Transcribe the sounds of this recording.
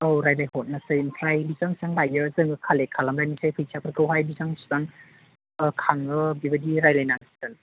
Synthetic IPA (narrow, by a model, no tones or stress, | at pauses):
owɾajlajhɔt̚nasɯjimpʰɾajbizaŋsaŋlajɯzɯŋɯkʰalekʰalamɾajnisʰajpʰɯjsʰapʰɯɾkʰɯwɦajbizaŋszaŋ | ɯkʰaŋɯbibɐdiɾajlajnaŋstɯn